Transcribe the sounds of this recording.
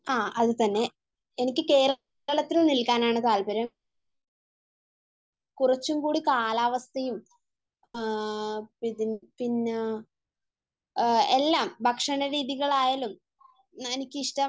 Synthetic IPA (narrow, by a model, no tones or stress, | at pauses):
aːɐðɨt̪ɐnːe̞ | enikʲːɨke̞ːɾɐ | ɐɭɐt̪ːilnilkaːnaːɳɨt̪aːlbɐɾɐm | kurɐt͡ɕːumkuːɽikaːlaːʋɐst̪ʰɐjum | iinpinː | elːaːmbʱɐkʂɐnɐɾiːðiɣɐɭaːjaːlum | enikʲːɨiʂʈɐ